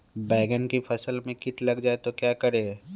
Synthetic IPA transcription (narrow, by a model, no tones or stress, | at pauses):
bɛːɡənkifʰɐsəlmẽkɪt̪lɐɡd͡ʒaːet̪okjaːkɐɾeː